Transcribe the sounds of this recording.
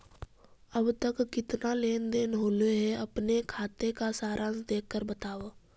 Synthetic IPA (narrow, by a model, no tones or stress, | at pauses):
əbt̪əkːɪt̪naleːnd̪eːnɦoːleɦɛɐpnekʰaːt̪ekasaːɾʔãːnsd̪eːkkəɾbət̪aːʋoː